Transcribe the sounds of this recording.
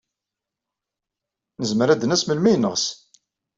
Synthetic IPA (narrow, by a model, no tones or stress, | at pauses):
nəzməɾæd̪ənæsməlmæjənːəʁs